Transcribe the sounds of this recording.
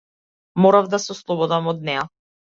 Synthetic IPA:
mɔɾavd̪asɛɔslˠɔbɔd̪amɔd̪nɛja

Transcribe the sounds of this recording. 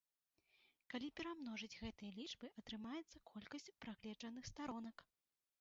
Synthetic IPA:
kalʲipʲɛɾamnɔʐɨd͡zʲɣɛt̪ɨjɐlʲit͡ʂbɨʔɐt̪ɾɨmajɛt̪sːɐkʰɔlʲkɐsʲt͡sʲpɾaɣlʲɛd͡ʐɐnɨxst̪aɾɔnɐk

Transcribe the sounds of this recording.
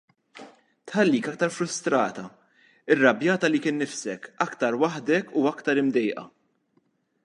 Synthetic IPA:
t̪ħɐlːiːkɐk̚t̪ɐɾfɾʊst̪ɾɐːt̪ɐ | ɪrːɐbjɐːt̪ɐlikɪːnːɪfsɛkɐkt̪ɐɾwɐħd̪ɛkuɐkt̪ɐɾɪmd̪ɛjʔɐ̰

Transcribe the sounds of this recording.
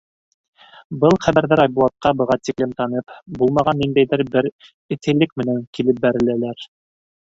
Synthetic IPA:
bɤlˠχæβæɾðæɾɑjbulˠɑt̪̚qɑbɤ̆ʁɑt̪iklɘmt̪ɑnɤpbulˠmɑʁɑnːind̪æjðɘɾbɘɾ | ɘ̆t̪ɘ̆lːɘkmɘ̆næŋkilɘp̚bæɾɘ̆lælæɾ

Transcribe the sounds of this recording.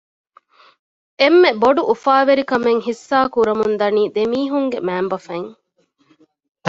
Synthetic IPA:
emːeboɖuʔufaːʋeɾikɐmeŋhisːaːkuɾɐmund̪ɐniːd̪emiːɦuŋɡemæːmbɐfɐŋ

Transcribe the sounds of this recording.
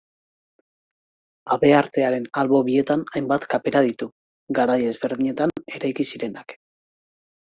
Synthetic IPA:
aβe̞aɾt̪e̞aɾe̞nalβo̞βie̞t̪anajmbat̪kape̞ɾað̞it̪u | ɡaɾaje̞zβe̞ɾðiɲe̞t̪ane̞ɾajkisiɾe̞nak

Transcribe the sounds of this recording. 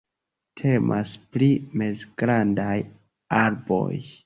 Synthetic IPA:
tʰe̞mʔa̰splimezɡɾandaj | aɾbo̰j

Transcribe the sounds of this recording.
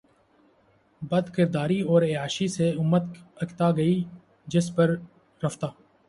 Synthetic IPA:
bɐd̪kɪɾd̪aːɾiɔːɾeaːʃiseʊmːət̪ɐkt̪aɡɐi | d͡ʒɪspɐɾ | ɾɐft̪aː

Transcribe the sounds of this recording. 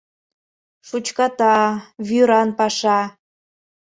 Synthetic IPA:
ʃut͡ɕkɑt̪ɑβyɾɑnpɑʃɑ

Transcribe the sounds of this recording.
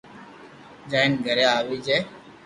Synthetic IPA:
d͡ʒaːɪnɡʱəɾjaːʋiːd͡ʒeː

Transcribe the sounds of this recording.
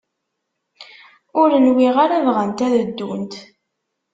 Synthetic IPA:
ʊɾənwiʁaɾavʁənt̪æðəd̪ːunt̪

